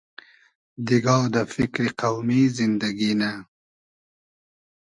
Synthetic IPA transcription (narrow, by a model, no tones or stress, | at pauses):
d̪iɡɑːd̪əfɪkɾiqawmizɪnd̪aɡina